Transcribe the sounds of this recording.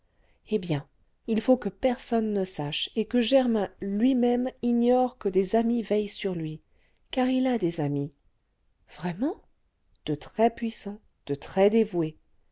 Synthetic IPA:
ebjɛ̃ | ilfokəpɛʁsɔnːəsaʃekəʒɛʁmɛ̃lɥimɛmiɲɔʁkəd̪ezamivɛjsyʁlɥi | kaʁilad̪ezami | v̥ʁɛmɑ̃ | d̪̥ət̪χɛpɥisɑ̃ | d̪̥ət̪χɛd̪evwe

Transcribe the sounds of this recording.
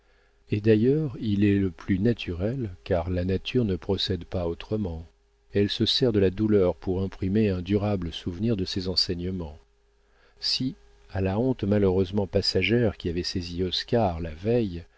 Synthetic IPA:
ed̪ajœʁilɛləplynat̪ʰyʁɛlkaʁlanat̪ʰyʁnəpχɔsɛd̪paot̪χəmɑ̃ | ɛlsəsɛʁd̪əlad̪ulœʁpuʁɛ̃pχimeɛ̃d̪yʁabləsuvniʁd̪əsɛzɑ̃sɛɲəmɑ̃ | si | alaɔ̃t̪maløʁøzmɑ̃pasaʒɛʁkʲiavɛseziɔskaʁlavɛj

